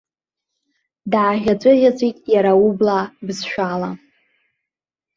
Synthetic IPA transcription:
daːʒʲat͡sʷʼɨʁʲat͡sʷʼitʼjaɾaublabzʃᶣala

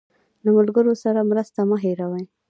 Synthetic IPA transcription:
lamʊlɡəɾosaɾamɾəst̪aməɦeɾawaj

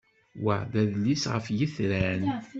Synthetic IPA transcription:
wæðæðlisʁəfjəθɾæn

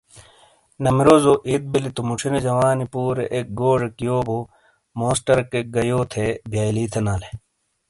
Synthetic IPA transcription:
nɐmiɾoːzoʔit̪̚bilit̪umuʈ͡ʂʰined͡ʑɐwaːnipuːɾḛʔek̚ɡoːʐekijoːbo | moːsʈɐɾkek̚ɡɐjoːt̪ʰebʱjaːjliːt̪ʰenaːle

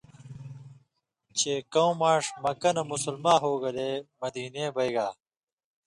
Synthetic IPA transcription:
t͡ɕeːkɐw̃maːʂmɐkɐnɐmusulmaːɦoːɡɐleːmɐd̪iːneːbɐjɡaː

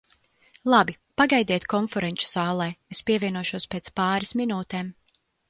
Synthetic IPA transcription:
lˠabi | paɡajd̪iɛt̪kɔnfɛɾɛnʲt͡ʃu̥z̥aːlˠɛjespʲiɛvʲiɛnuɔʃuɔspʲeːt̪spaːɾisminuːt̪eːm

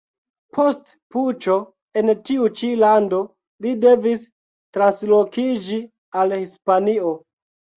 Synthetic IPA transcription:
pʰo̞st | put͡ʃo̞ | e̞ntiut͡ʃilando | lide̞vis | tɾanslo̞kid͡ʒi | alhispanio̞

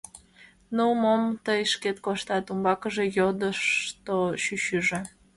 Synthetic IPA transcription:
nuumomt̪əjʃket̪̚koʃt̪ɑt̪umbɑkəʒejod̪əʃt̪oʃyɕyʒe

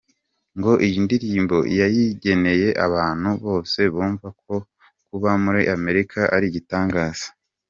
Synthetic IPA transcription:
ŋɡo̞ʔijindiɾiːmbo̞ijajiɟe̞ne̞je̞ʔa̰βaːn̥huβo̞ːse̞βuːɱvak̚ʰo̞ | kuβamuɾiʔame̞ɾikʰaʔaɾiɟitaːŋɡaːz̥ḁ

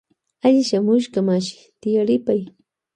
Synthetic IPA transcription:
aʎɪʃamʊʃkamaʃɪ̥ | t̪ɪjaɾɪpaj

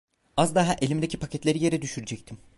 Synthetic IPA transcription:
azd̪aɦaʔe̞lʲimd̪ecʰipʰacʰɛt̪lʲeɾije̞ɾɛd̪yʃyɾd͡ʒɛc̚t̪ʰim

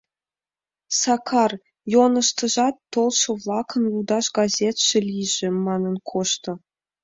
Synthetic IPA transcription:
sɑkʰɑr | jonɤ̆ʃt̪ɤ̆ʒɑt̪ːolˠʃɤ̆vlˠɑkʰɤ̆nud̪ɑʃɡɑzʲet̪ʃɘ̆lʲiʒɘ̆mɑnɤ̆nkʰoʃt̪ɤ̆

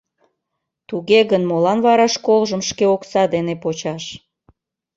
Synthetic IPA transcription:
t̪uɣeɣənmolɑnβɑɾɑʃkolʒəmʃkeoksɑd̪enepot͡ɕɑʃ

